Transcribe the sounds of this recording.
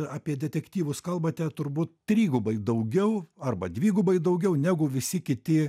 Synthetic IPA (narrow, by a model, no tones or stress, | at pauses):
ɑːpʲiɛd̪ʲɛt̪ʲɛkt̪ʲiːʋʊskɐlˠbɐt̪ʲɛt̪ʊɾbuːt̪̚t̪ʲɾʲiːɡʊbɐɪd̪ɐʊɡʲɛʊɐrbɐd̪ʲʋʲiːɡʊbɐɪd̪ɐʊɡʲɛʊnʲæɡʊʋʲɪsʲɪkʲɪt̪ʲɪ